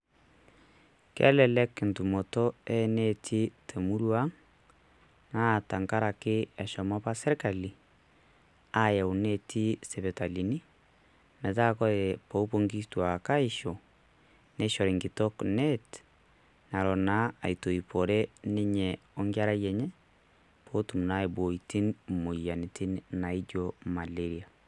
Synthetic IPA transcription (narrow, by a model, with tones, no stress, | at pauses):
kɛ̰˦lɛ˨lɛ˦kntu˨mo˨tɔ˦ɛ˦ne˦tʰi˦tʰe˨mu˦ɾwa˦ŋ | na˦˨ta˨ŋka˦ɾa˨kɪ˦ɛ˨ʃɔ˨mɔ˦pa˦sɛ˦ɾka˨li˨ | a˦ja˨u˨ne˦˨tʰi˦sɛ˨βɛ˨ta˨li˨ni˦ | mɛ˨t̬a˦kɔ˦ðɛ˨po˨˦po˦ŋɡi˦stwa˨ka˦ɪ˨ʃo˨ | nɛ˦ʃɔ˨ɾɛ˨ŋɡɪ˨tɔ˦knɛt | na˨ɾɔ˨na˦a˨jto˨ipɔ˨ɾɛ˦nɪ˦ɲɛɔ˦ŋɡa˦ɾa˦jɛ˨ɲɛ˦ | pʰo˦tu˨mna˦i˨bo˨iti˦nmo˨ja˨nɪtɪ˦nna˨i˦d͡ʒoma˨le˦ɾi˨a˨